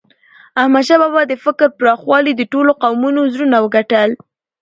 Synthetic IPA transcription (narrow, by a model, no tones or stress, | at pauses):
ahmad̪ʃabɑbɑd̪əfɪkɾpɾɑxwɑlid̪əʈoloqawmunozɾunawəɡaʈəl